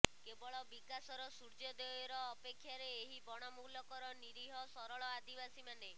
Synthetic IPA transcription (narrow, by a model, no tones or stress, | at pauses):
kebɔɭɔbikasɔɾɔsuɾd͡ʒɔd̪ɔjɔɾɔːpekʰːjaɾeːɦibɔɽ̃ɔmulɔkɔɾɔniɾiɦɔsɔɾɔɭɔad̪ibasimane